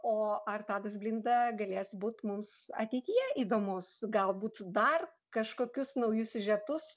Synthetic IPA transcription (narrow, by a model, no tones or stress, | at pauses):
oːɐrt̪ɑːd̪ɐs̬bʲlʲɪnd̪ɐɡɐlʲeːsbuːt̪mʊmsɐ̰t̪ʲɛɪt̪ʲijɛʔid̪oːmʊsɡɐlˠbuːt̪d̪ɐr | kɐʃkoːkʲʊsnɐʊjʊsʲʊʒʲɛt̪ʊs